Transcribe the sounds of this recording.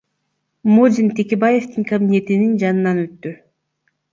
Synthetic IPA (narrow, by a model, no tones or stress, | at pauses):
mod͡ʒʲint̪ʰe̞kʲe̞baje̞ft̪iŋkɐbʲinʲe̞t̪inind͡ʒɑnɯnɑnø̞t̪ːy